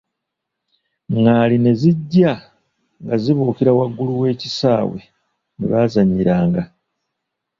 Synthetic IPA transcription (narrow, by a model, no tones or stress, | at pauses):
ŋɡaline̞ziɟːa | ŋɡaziβuːkiɾawaɡːuluwe̞ːcisaːwe̞̰ | nḭβaːzaɲːiɾaːŋɡa